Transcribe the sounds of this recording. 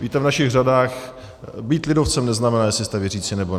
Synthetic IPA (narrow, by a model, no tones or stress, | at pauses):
viːt̪ɛvnaʃɪɣradaːx | biːt̪lɪdoft͡sɛmnɛznamɛnaːjɛslɪst̪ɛvjɛriːt͡sɪnɛbo